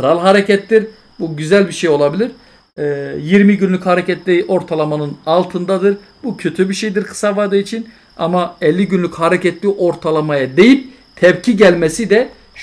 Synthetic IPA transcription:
ɾalˠɦaɾɛcʰɛt̪ːiɾ | buɟyzælʲbiʃejo̞lˠabilʲiɾ̥ | jiɾmiɟynlʲychaɾecɛt̪lʲiʔo̞ɾt̪ʰalˠamanɯnalˠt̪ʰɯnd̪ad̪ɯɾ | bucʰø̞t̪ʰybiʃejd̪iɾkʰɯ̥savad̪ɯit͡ʃʰin | a̰maɛlʲːiɟynlʲychaɾɛcɛt̪lʲiːʔo̞ɾt̪ʰalˠamajad̪e̞jip̚ | t̪ʰɛpcʰiɟælʲmɛsid̪ɛ

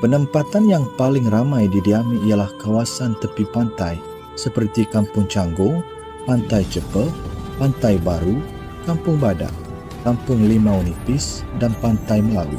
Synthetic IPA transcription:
pənəmpat̪anjaŋpalɪŋramãjdidiamiijalahkawasant̪əpipant̪aj | səpərt̪ikampʊŋt͡ʃaŋɡʊŋ | pant̪ajt͡ʃəpəpant̪ajbaɾu | kampʊŋbada̰ʔ | kampʊŋlimãunifɪsdanpant̪ajməlalṵ

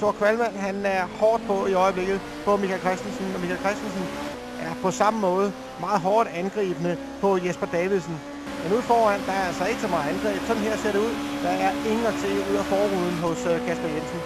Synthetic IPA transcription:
sʰo̝ɐkʰʋælmæn̰ɦænæɐhɒːd̥̚pʰɒ̽iɒ̽ɪb̥le̝ɡ̥ð̞̩ˠ | b̥ɒ̽mikʰælkʰʁɛsd̥ensn̩ɒmikʰælkʰʁɛsd̥ensn | ʔæɐpʰɒ̽sɑ̈məmɔ̽ːð̞̩ˠ | mɑ̈ːð̩ˠɦɒːd̥ænɡ̥ʁḭːb̥ənə | pʰɒ̽jesb̥ɐd̥ɛːʋilsn̩ | menuð̰ˠfɒːæn̰d̥ɑ̈æɐælsɒe̝ɡ̥əsɒmɑ̈ːð̩ˠænɡ̥ʁḭːb̥sɒ̽d̥n̩ɦeɐse̝ɐ̰ɾe̝uð̰ˠd̥ɑ̈æɐe̝ŋn̩ɒt͡sʰe̝̰ːuð̰ˠæfɒːʁuð̰ˠn̩ɦɔ̽skʰæsb̥ɐjen̰sn̩

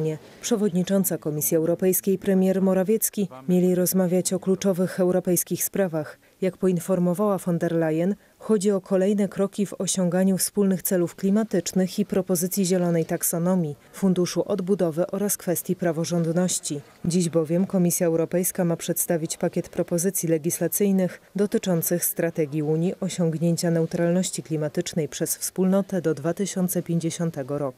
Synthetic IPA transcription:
ɲɛ | pʂɛvɔd̪ɲit͡ʂɔnt̪sakɔmʲisʲjiɛwɾɔpɛjskʲejpɾɛmʲjɛɾmɔɾavʲjɛt̪skʲimʲelʲiɾɔzmavʲjat͡ɕɔklut͡ʂɔvɘxɛwɾɔpɛjskʲixspɾavax | jakpɔinfɔɾmɔvawafɔnd̪ɛɾlajɛn | xɔd͡ʑiɔkʰɔlɛjn̪ɛkɾɔkʲivɔɕɔŋɡaɲufspulnɘxt̪sɛlufklʲimat̪ɘt͡ʂnɘxipɾɔpɔzɘt̪sʲjiʑɛlɔnɛjt̪aksɔnɔmʲjifund̪uʂuʔɔd̪bud̪ɔvɘʔɔɾaskfɛst̪ʲjipɾavɔʐɔnd̪nɔɕt͡ɕi | d͡ʑiʑbɔvʲjɛmkɔmʲisʲjaɛwɾɔpɛjskamapʂɛt̪st̪avʲit͡ɕpakʲɛt̪pɾɔpɔzɘt̪sʲjilɛɡʲislat̪sɘjnɘxd̪ɔt̪ɘt͡ʂɔnt̪sɘxst̪ɾat̪ɛɡʲjiuɲiʔɔɕɔŋɡɲeɲt͡ɕanɛut̪ɾalnɔɕt͡ɕiklʲimat̪ɘt͡ʂnɛjpʂɛsfspulnɔt̪ɛd̪ɔd̪vat̪ɘɕɔnt̪sɛpʲjeɲd͡ʑeɕɔnt̪ɛɡɔɾɔku̥

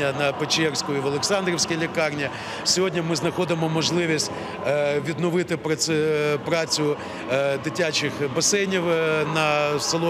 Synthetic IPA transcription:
ɐnɐpet͡ʃɛrsʲkʊiʋɐlˠeksɑnd̪ɾʲɪwsʲkʲijlʲikɑrnʲi | sʲɔɦɔdʲnʲimɪznɐxɔd̪ɪmɔmɔʒlˠɪʋʲisʲtʲ | ʋʲid̪nɔʋɪt̪ɪpɾɐpɾɑt͡sʲʊ | d̪ɪtʲat͡ʃɪxbɐsɛjnʲiwnɐsɐlˠɔ

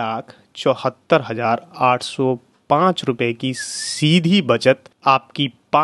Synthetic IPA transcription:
aːkʰ | t͡ʃɔːhət̪ːəɾɦɐzaːɾaːʈʰsɔ | pãːt͡ʃɾʊpekisiːd̪ʱibɐt͡ʃət̪aːpkipaː

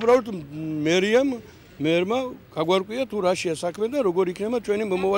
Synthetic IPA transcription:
pʰɾaɔlt̪mɛɾiamː | ɛɾmaɡ̥aɡwaɾkʼwiat̪ʰuɾaʃiasakʰmɛd̪anɾɔɡɔɾikʰnɛbat͡ʃʰwɛnimɔmɔva

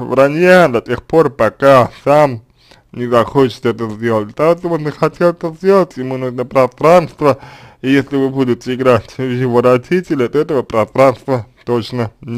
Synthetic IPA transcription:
vranʲad̪ɐtʲexporpakasam | nʲɪzɐxot͡ɕɪ̥sɛt̪əzʲdʲelˠətʲt̪aot̪obɨnɨxatʲelˠɛt̪əzʲdʲelˠətʲɪmɨnuʐnəpɾɐst̪ɾanst̪vəijesʲlʲɪvɨbud̪ʲʊt̪ɪɡɾatʲjʲɪvoɾadʲitʲɪlʲat̪ɛt̪əvəpɾɐst̪ɾanst̪vət̪ot͡ɕnənʲ

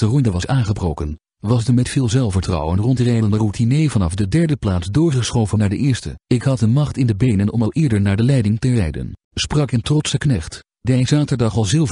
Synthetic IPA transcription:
dərɔndəʋɑsaːnχəbrowkən | ʋɑsdəmɛtfɪːlˠzɛlˠfəɹtrɑ̰wənrɔntrɛjəndərutʰinejvɑnɑfdədɛɹdəplaːsdʊːɹχəsχowvənaːɹdəʔɪːɹstə̰ɪkɦɑt̚dəmɑχtɪndəbejnənɔmɑlˠʔɪːɹdəɹnaːɹdəlɛjdɪŋtərɛ̰jdə̰n | sprɑkɪntrɔtsəknɛχt | dejzaːtəɹdɑχɑlˠzɪlˠv

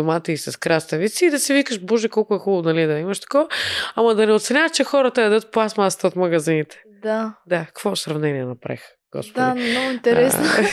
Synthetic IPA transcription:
omat̪əisɐskɾast̪əvit̪siːd̪ɐsivikəʃbɔʒɛkɔlˠkʊɛxuvʊnɐlid̪ɐimɐʃt̪ɐ̥kɔvɐamɐd̪ɐnɛot̪sɛnʲat̪t͡ʃɛxɔɾət̪əɐd̪ət̪̚pˠasmast̪ɐot̪mɐɡɐzinit̪ɛ̥ | d̪ad̪akkvɔsɾɐvnɛniɛnɐpɾɛ̰x | ɡ̥ɔ̰spd̪dainɔɡʊint̪ɛɾɛsno

